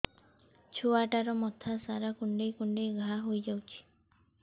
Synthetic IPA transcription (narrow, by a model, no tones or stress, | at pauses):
t͡ʃʰoaʈaɾɔmɔt̪ʰasaɾakuɳɖejkuɳɖejɡʱaɦojd͡ʒawt͡ʃʰi̥